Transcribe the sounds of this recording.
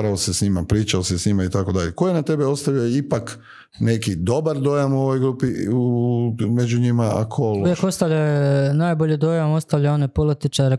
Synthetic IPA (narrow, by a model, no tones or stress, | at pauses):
ɾaosesɲimapɾiːt͡ʃaosesɲimait̪ako̞d̪aʎekojenat̪e̞beo̞st̪aʋjioipak | nekid̪o̞baɾd̪o̞jamuo̞ʋo̞jɡɾuːpiumed͡ʑuɲimaa̰kʰoluʋjekost̪aʎajenaːjboʎed̪ojamost̪aʋʎaonepolit̪it͡ʃaɾe